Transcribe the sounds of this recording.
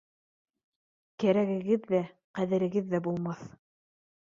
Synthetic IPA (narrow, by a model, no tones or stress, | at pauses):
kæɾæɣɘ̆ɡɘðːæ | qæðɘ̆ɾɘ̆ɡɘðːæbulˠmɑθ